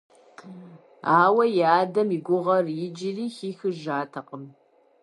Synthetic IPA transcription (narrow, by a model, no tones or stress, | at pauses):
aːwɐjɛaːdɐmiɡʷʊʁɐrjɪd͡ʒɪriːxiːxɨʒaːtʰɐqʼəm